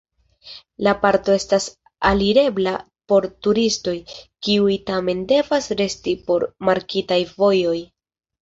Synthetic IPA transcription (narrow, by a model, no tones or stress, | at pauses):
lapaɾto̞e̞stas | aliɾe̞bla | po̞ɾtuɾisto̞jkiujtame̞nde̞vasɾe̞stipo̞ɾmaɾkitajvo̞jo̞j